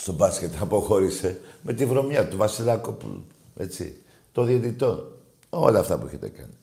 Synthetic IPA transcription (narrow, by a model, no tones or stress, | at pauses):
st̪obɐscet̪ɐpo̞xo̞ɾise̞me̞t̪ivɾo̞mjɐt̪uvɐsilɐkopṵl̰ṵ | e̞t͡sḭ | t̪oðiot̪it̪o̞n | o̞̰lɐːft̪ɐpueçet̪e̞kɐ̰ni